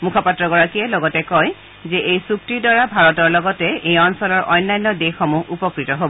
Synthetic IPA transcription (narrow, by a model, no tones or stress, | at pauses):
mukʰapatɹɔɡɔɹakiɛlɔɡɔtɛkɔj | zɛʔejsuk̚tidwaɹabʱaɹɔtɔɹlɔɡɔtɛejɔnsɔlɔɹʔɔjnːajnːɔdexːɔmuɦupɔkɹitɔɦobɔ